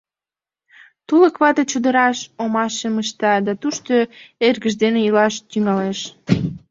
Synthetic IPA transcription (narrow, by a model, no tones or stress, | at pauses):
t̪uləkβɑt̪ət͡ɕud̪əɾɑʃomɑʃeməʃt̪ɑd̪ɑt̪uʃt̪oerɣəʒd̪enejəlɑʃt̪yŋɑleʃ